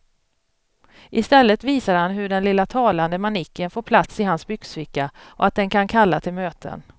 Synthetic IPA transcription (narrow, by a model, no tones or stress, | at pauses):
ʔɪst̪ɛlːət̪viːsaɾhanɦɵɖɛnlɪlːat̪ʰɑːland̪əmanɪkːənfoːɾpʰlat̪sɪɦansbʏɡsvɪkːaʔɔat̪̚d̪ɛnkʰankʰalːat̪ʰɪlmøːt̪ʰə̰n